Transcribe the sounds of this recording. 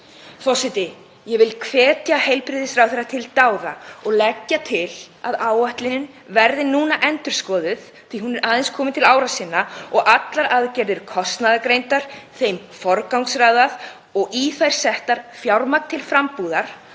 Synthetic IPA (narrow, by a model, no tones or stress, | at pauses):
θɔwsɪjt̪ɪ | jɛvɪlkʰvɛːt̪jahejlpɾɪðɪsfɾawθɛɾat̪ʰɪlt̪aːwɾaɔɣlɛcːat̪ʰɪlaðaːwaht̪lɪnɪn | vɛɾðɪnuːnaʔɛnt̪ʏɾ̥skɔːðʏθ | θihunaːðɪnskʰɔːmɪt̪ʰɪlaːwɾasɪnːaɔɣʔat̪laɾʔaðcɛɾðʏɾ̥kʰɔst̪naðakɾejnt̪aɾ̥θejm | fɔɾkawŋksraːðað | ɔɣiθajɾ̥sɛht̪aɾ̥fjawɾmak̪t̪ʰːɪlfɾampuðaɾ̥